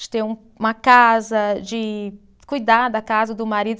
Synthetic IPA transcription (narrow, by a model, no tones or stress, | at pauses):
d͡ʒɪ̥t̪ẽɾũ | ũmɐkazɐd͡ʒɪ | kujd̪ad̪akazɐd̪ʊmaɾid̪